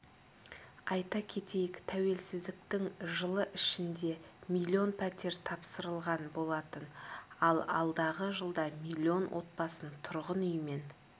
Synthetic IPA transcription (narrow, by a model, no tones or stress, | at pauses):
ɑjt̪ɑkʲʰe̞t̪e̞jɪkt̪ʰæwe̞lsɪzd̪ɪkt̪ɪŋʒəlˠəʔɪʃɪnd̪e̞mʲilʲːio̞npʰæt̪e̞ɾt̪ʰɑpsəɾəlˠʁɑnbo̞lˠɑt̪ənɑlˠɑ̰lˠd̪ɑʁəʒəlˠd̪ɑmilʲːio̞nwʔo̞̰t̪̚bɑsənt̪ʰʊɾʁənʏjəme̞n